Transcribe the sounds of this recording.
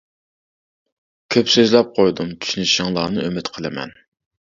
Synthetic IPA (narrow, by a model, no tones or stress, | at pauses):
kʲʰøpsøzlɛp̚qʰojd̪umt͡ʃ̪ʰy̥ʃynyʃɪŋlˠɑːnɨʔømɪt̪qʰəlˠɪmɛ̰n